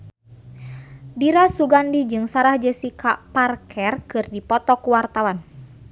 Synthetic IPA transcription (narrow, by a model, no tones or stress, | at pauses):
diɾasuɡandid͡ʒɨŋsaɾahd͡ʒəsikʰaparkʰɛrkɨrdipɔt̪ɔkuwart̪awan